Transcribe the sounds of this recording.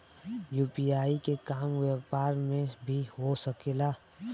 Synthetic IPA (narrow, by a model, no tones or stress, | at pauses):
juːpiaːikekaːmwepaːɾmẽbʱiɦosəkelaː